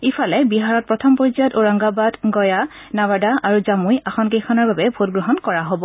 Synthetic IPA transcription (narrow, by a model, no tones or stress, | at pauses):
ifʰalɛbiɦaɹɔt̚pɹɔtʰɔmpɔɹizɔtoɹaŋɡabadɡɔja | nabadaʔaɹuzamujaxɔnkejxʰɔnaɹbabɛbʱotɡɹɔɦɔnkɔɹaɦobɔ